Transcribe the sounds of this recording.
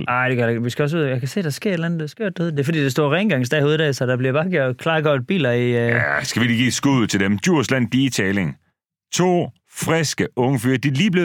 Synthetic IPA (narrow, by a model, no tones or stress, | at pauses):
ɑɪd̥eɡɶɐeɡ̥ʋisɡ̥æɒ̽s̬uð̰ˠjɑ̈kʰæse̝̰ːd̥ɑsɡ̥e̝ɐ̰ed̥lænð̩d̥esɡ̥o̰ɐ̰d̥hoð̰ˠd̥e̝fɒ̽dḭːd̥esd̥ɔ̰ɐʁɛnɡ̥ɑ̈ŋsd̥ɛhoːðˠd̥æsɒd̥ɑ̈b̥liɐbɑ̈ːɡ̥jo̰ɐd̥kʰlɑ̈ːɡ̥ɒd̥̚b̥ḭːlɐiæsɡ̥æʋi̥ɡ̥ḭːsɡ̥uð̰ˠt͡sʰe̝ld̥emd̥juɐ̰slæn̰̥iːt͡sʰɛːleŋ | t͡sʰo̝̰ː | fʁɛsɡ̥əɔ̽ŋəfyːɐd̥iliːb̥le̝